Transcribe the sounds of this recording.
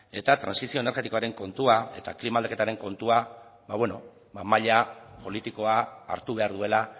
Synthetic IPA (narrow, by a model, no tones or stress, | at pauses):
e̞̰t̪at̪ɾansisio̞eneɾɣe̞t̪iko̞aɾe̞ŋko̞nt̪uae̞t̪aklimald̪ake̞t̪aɾe̞ŋko̞nt̪uaβaβweno | bamaʎapo̞lit̪iko̞a̰ːɾt̪uβ̞e̞aɾðue̞la